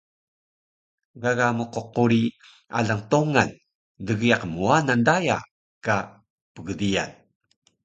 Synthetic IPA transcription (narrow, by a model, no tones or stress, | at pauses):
ɡaɣamuqoquɾi | a̰ɮaŋtoŋan | dəɣiaqmuanandaja̰ | ka | pəɡədia̰n